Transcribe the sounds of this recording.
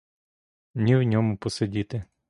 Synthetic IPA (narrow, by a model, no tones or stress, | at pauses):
nʲiwnʲɔmʊpɔsedʲit̪ɪ